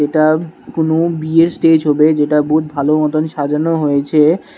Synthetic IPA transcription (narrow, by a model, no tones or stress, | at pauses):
eʈakonobieɾsʈed͡ʑɦɔbed͡ʑeʈaboɦut̪̚bʱaloɔt̪onʃad͡ʑanoɦojet͡ɕʰe